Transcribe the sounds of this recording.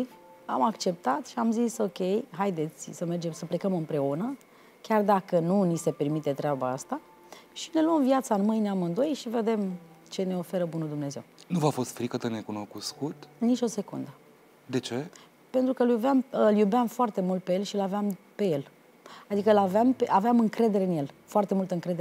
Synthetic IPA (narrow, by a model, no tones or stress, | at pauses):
iv | amakt͡ʃe̞p̚t̪at̪ʃiamziso̞kʲe̞jɦajd̪e̞t̪sʲsəme̞rd͡ʒe̞msəple̞kəmɨmpɾe̞unə | kʲard̪akənunise̞pe̞rmit̪e̞t̪ɾeabaast̪a | ʃi̥ne̞luəmviat̪saɨnmɨjneamɨnd̪o̞jʃive̞d̪e̞m | t͡ʃe̞ne̞o̞fe̞ɾəbunuld̪umne̞ze̞wnuvafo̞st̪fɾikət̪əne̞kuno̞kuskut̪nit͡ʃʲo̞se̞kṵnd̪ə | d̪e̞t͡ʃe̞ | pe̞nt̪ɾukəljubeamɨljubamfoart̪e̞mult̪̚pejelʃilaveam | pe̞je̞l | ad̪ikəlaveampeʔaveamɨŋkɾe̞d̪eɾe̞ɨnje̞lfoart̪e̞mult̪əɨŋkɾe̞d̪e